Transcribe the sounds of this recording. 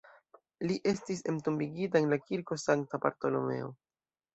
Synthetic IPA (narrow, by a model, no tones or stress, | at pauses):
liʔe̞stise̞mtumbiɡitaenlakiɾko̞saŋk̚taba̰ɾto̞lo̞̰me̞̰o̞̰